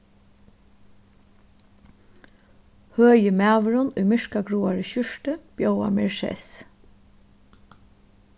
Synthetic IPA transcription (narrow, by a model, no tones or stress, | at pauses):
høːjəmæːʋəɾʊnʊjmɪʂkaɡɾuːaɹəɕʏʂtəb̥joʊa̰mɛɹsɛ̰s